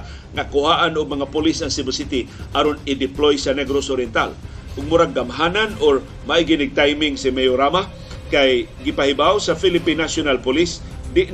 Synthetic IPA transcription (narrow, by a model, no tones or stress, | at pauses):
nakʊhaʔanʊɡ̚maŋapʊlɪsaŋsibɛsit̪iʔaɾonɪd̪ɪplojsanɛɡɾosoɾjɛnt̪a̰l | ʔʊɡ̚mʊɾaɡamɦananoɾ | maiɡɪnɪɡ̚t̪ajmɪŋsɪmɛjoɾama | kajɡɪpahɪbawsafilɪpinasʊnalpʊlɪs | d̪ɪʔ